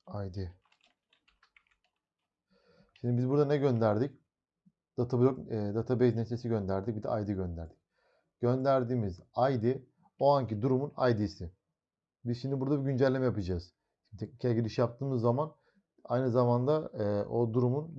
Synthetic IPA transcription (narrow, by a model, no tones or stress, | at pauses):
ajd̪i | ʃimd̪ibizbuɾd̪anɛɟø̞nd̪æɾd̪ic | d̪̥at̪ʰabulʲod̪at̪ʰabejzneslʲesiɟø̞nd̪æɾd̪ic̚bid̪ɛ̰ʔajd̪iɟønd̪æɾd̪ic̚ | ɟ̥ø̞nd̪æɾd̪iːmizajd̪i | oaɲcid̪uɾumunajd̪iːsɪ | bizʃimd̪ibuɾd̪abiɟynd͡ʒælʲːemɛjapɯd͡ʒaːɯz̥ | ʃit̪ʰec̚nicʰɛɟilʲiʃijap̚t̪ʰɯːmɯzːaman | a̰jnɯzamand̪aʔo̞d̪uɾumun